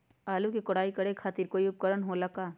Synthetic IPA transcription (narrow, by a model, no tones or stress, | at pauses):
aːlukikʊɽaːikɐɽekʰaːt̪iːɾkoːiʊp̚kəɾənɦolɐkaː